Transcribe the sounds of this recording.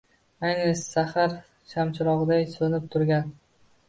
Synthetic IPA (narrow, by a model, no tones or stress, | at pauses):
ajnɪsahaɾ | ʃʰamt͡ʃʰɪɾɒʁd̪ajsonɪp̚t̪ʰʊɾɡʲan